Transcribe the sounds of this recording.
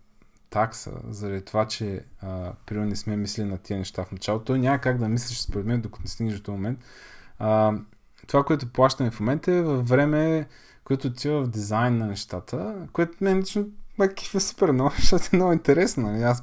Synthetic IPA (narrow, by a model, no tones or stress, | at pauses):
t̪aksə̰zɐɾɐd̪it̪ovat͡ʃɛəpɾinɛsmɛmisɛlʲinɐt̪iənɛʃt̪afnɐt͡ʃalˠot̪ɔjnʲaməkaɡ̚d̪ɐmislʲiʃspoɾɛd̪mɛnd̪okə̥t̪nɛsiɡnʒʃt̪ɔmomɛnt̪ː | t̪ːovakoɛt̪ʊplˠaʃt̪əmɛfmomɛnt̪əɛvɐfːɾɛmɛ | kojɛt̪ʊːt̪ʲivəfd̪izajnːɐnɛʃt̪at̪ʰəkoɛt̪mɛɛlit͡ʃnomɐkki̥fɛspɛɾnonʃt̪at̪ɛnɔɡʊĩnt̪ɛɾɛsnonɐlias